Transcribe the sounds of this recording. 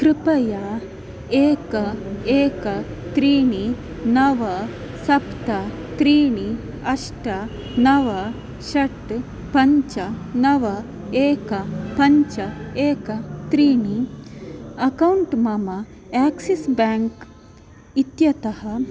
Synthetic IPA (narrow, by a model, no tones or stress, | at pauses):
kɾipɐja | eːkɐeːkɐ | t̪ɾiːɳ̃i | nɐʋɐ | sɐpt̪ɐ | t̪ɾiːɳ̃i | ɐʂʈɐ | nɐʋɐ | ɕɐʈ | pɐɲt͡ʃɐnɐʋɐ | eːkɐpɐɲt͡ʃt͡ɕɐeːkɐt̪ɾiːɳ̃i | ɐkɐwuɳʈmɐma | ɛksisbɛŋk | it̪jɐt̪ɐhɐ